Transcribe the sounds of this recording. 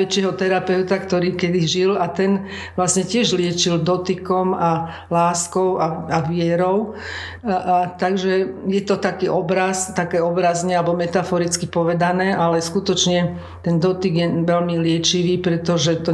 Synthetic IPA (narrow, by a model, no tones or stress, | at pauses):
ɛt͡ʃɪɛɦɔt̪ɛɾapɛʊt̪akt̪ɔɾiːkɛd̪iʒilat̪ɛn | ʋlasɲɛcɪɛʒlɪɛt͡ʃild̪ɔt̪ikɔma | laːskɔʊaaʋɪɛɾɔʊ | t̪aɡʒɛjɛt̪ɔt̪akiːʔɔbɾast̪akɛːɔbɾazɲɛalbɔmɛt̪afɔɾit͡skipɔʋɛd̪anɛːʔalɛskut̪ɔt͡ʃɲɛ | t̪ɛnd̪ɔt̪iɡjɛʋɛlmilɪɛt͡ʃiʋiːpɾɛt̪ɔʒɛt̪ɔ